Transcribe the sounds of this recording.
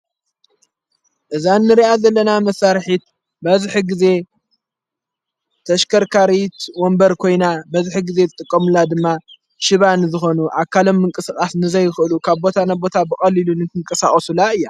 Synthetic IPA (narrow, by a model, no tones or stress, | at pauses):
ʔɨzanːɨɾiʔazɐlːɐnamɐsaɾħit̪̚ | bɐzħiɡɨze̞ | t̪ʰɐʃkʰɐɾkʰaɾit̪wombɐɾkʰo̞jnabɐzħiɡɨze̞zɨt̪ʼɨkʼːɐmunːad̪ɨmːa | ʃɨβanzɨxo̞nuʔakʰalo̞mːɨŋkʼɨsɨkʼasnɨzɐjɪxɨʔɨlukʰaβbo̞t̪ʰanabo̞t̪ʰabɨxʼɐlilunɨt̪ʰɨŋkʼɐsaχʼɐsulaɨjːa